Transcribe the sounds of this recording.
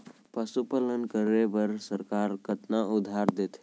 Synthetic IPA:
pəsupələnkəɾebəɾsəɾkaɾkət̪naud̪ʱːaɾd̪et̪

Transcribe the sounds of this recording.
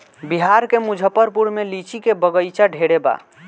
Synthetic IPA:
biɦaɾkemud͡ʒʱəpːəɾpuɽmelit͡ʃikebəɡəjt͡ʃaɖʱeɽeba̰

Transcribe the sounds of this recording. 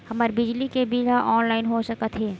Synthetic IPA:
hɐmaɾbɪd͡ʒlikebiɦaʔɔːnlaːɪnɦosəkət̪ɦɛː

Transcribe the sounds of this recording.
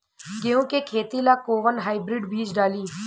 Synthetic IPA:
ɡeːõːkekʰeːt̪ilaːkoːʋənɦaːɪbɾɪɖbiːd͡ʒɖaːliː

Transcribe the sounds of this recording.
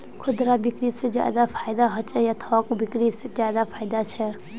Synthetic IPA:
kʰʊd̪ɾabɪkɾised͡ʒja̰ːd̪apʰaːjd̪aɦɔt͡ʃʰejat̪ʰɔːkbɪkɾised͡ʒjaːd̪apʰaːjd̪at͡ʃʰɛ

